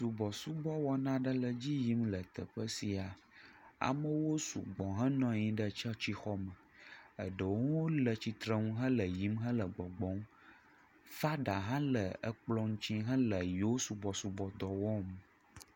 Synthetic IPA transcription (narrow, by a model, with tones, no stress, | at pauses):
su˨bɔ˨su˦bɔ˦wɔ˦nã˦ɖə˦lə˨d͡ʑi˦ji˨˦mlə˨t̪ə̰˨ɸə˦si˨a˨ | a̰˨mə̃˦wo˦sṵ˨ɡ͡bɔ̃˨ɦə̃˦nɔ̃˨ɲĩ˨ɖə˦t͡ʃɛ˦t͡ɕi˦xɔ˦mə˨ | ə̰˨ɖə˨wwwo˦lə˨t͡ɕi˨t̪ɾə˦ŋũ˦ɦə̃˦lə˨ji˨˦mɦə̃˦lə˨ɡ͡bɔ˨ɡ͡bɔ̃˨˦ŋ | fa˦ɖa˨ɦã˦lə˨ə̰˦k͡plɔ˦ŋ̩̃˦t͡ɕĩ˦ɦə̃˦lə˨jo˦su˨bɔ˨su˨bɔ˨d̪ɔ˨wɔ˦m˨